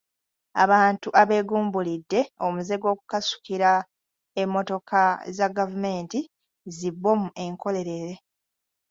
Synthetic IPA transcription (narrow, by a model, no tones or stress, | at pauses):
a̰βaːntuʔaβe̞ːɡuːmbulidːe̞o̞muze̞ɡo̞ːku̥kasu̥kiɾa | emːo̞to̞kʰazaɡavume̞ːnti | zibːo̞muʔe̞ŋko̞le̞ɾe̞ɾe̞